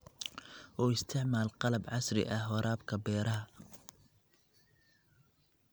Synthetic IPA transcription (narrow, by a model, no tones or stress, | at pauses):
ʔɔːɪst̪ʰɪʕmaːlqɑlɐbʕɑsrɪ̰ʔɐhɔɾaːbkʰɐbɛːɾɐɦɐ